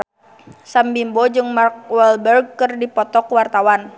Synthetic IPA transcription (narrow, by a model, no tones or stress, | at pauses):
sambimbɔd͡ʒɨŋmark̚wɛlbɛrɡ̚kɨrdipɔt̪ɔkwart̪awan